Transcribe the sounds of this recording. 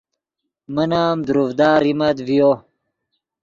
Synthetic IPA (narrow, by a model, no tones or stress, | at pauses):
mənaːmd̪uɾuvd̪aːɾimɐd̪vijo